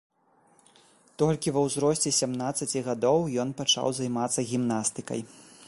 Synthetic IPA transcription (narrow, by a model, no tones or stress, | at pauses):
t̪ɔlʲkʲivɐwzɾɔsʲt͡sʲɛsʲamnat̪sːɐt͡sʲiɣad̪ɔwjɔnpat͡ʂa̰wzajmat̪sːɐɣʲimnast̪ɨkɐ̰j